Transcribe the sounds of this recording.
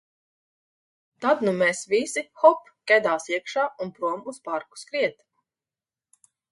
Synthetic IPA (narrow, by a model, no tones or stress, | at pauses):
t̪ad̪numɛsvisixɔp | kʲɛd̪aːsiɛkʃaːunpɾuɔmuspaɾku̥skɾiɛt̪